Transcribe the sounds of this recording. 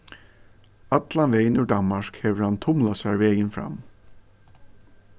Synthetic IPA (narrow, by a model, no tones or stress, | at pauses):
ɑt̪lanʋeɪnʉd̪ɑnmɑʂkhɛːʋəɹhɑnt̪ʰʊmlasæɹʋɛːjənfɾɑ̰m